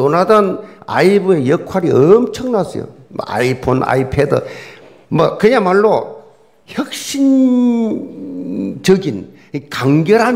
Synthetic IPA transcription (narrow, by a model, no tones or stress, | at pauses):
onadʌna̰ibue̞jʌkʰwaɾiʌmt͡ɕʰʌŋnasʰʌ̰jo̰m̰a̰ipʰona̰ipʰedɯ̰ | mʌkɯjamaɭːo | çʌk̚ɕ͈in | t͡ɕʌɡin | ikaŋɡjʌɾɦan